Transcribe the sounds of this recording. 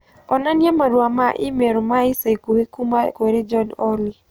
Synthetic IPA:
ɔnanamaɾwamaʔɪ̰meɾomaɪsekuekumakeɾed͡ʒɔnɔli

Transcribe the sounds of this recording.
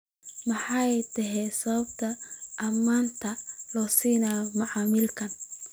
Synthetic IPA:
mɑħɑjt̪ʰɐɦɛsɐβɐb̚t̪ʰɐʔɐmːaːnt̪ʰɐlɔːsiːnaːjmɐʕɑːmɪlkʰɐn

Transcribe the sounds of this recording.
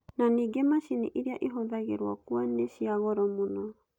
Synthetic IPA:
naniɡɛmasiniʔiɾiaʔiɦodaɡɛ̰ɾuakuanesiaɣɔɾɔmunɔ

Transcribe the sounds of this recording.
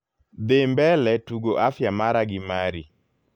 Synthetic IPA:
d̪embɛlɛtuɡoʔafjamaɾaɡɪmaɾi

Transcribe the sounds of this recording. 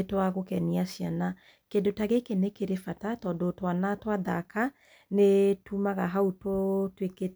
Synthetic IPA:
twaɣokɛniasjana | kendotaɣekenekeɾefatatɔdɔtwanatwaðaka | netumaɣaɦautotweke

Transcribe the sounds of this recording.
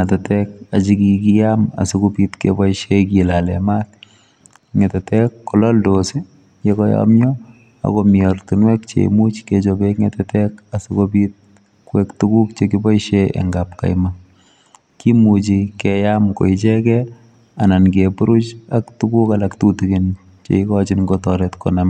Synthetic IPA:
ŋatɛtɛkat͡ʃikikijama̰sukopitkḛbɔiʃekilalɛmat | ŋɛtɛtɛkːɔlɔldosi | jekɔja̰mɲɔ | a̰komjɔrtunwɛkt͡ʃḛmut͡ʃket͡ʃobekŋɛtɛtɛkasikobit̚ | kwɛktukukt͡ʃekibɔiʃeḛŋɡap̚ka̰jma | kimut͡ʃikɛjamko̰it͡ʃɛkɛ | anankebuɾut͡ʃaktukukalaktutuɡin | t͡ʃḛikɔt͡ʃinŋɡotɔɾɛtko̰nam

